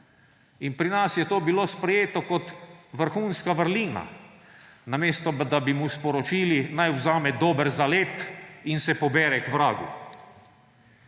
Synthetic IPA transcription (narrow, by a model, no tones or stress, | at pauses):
inpɾinasjɛt̪oːbiloːspɾɛjeːt̪ɔkɔt̪ʋəɾxuːnskaʋəɾliːna̰ | nameːst̪ɔd̪abimuspɔɾɔt͡ʃiːlinajwzaːmɛd̪oːbəɾzaleːt̪insɛpɔbɛːɾɛkʋɾaːɡṵ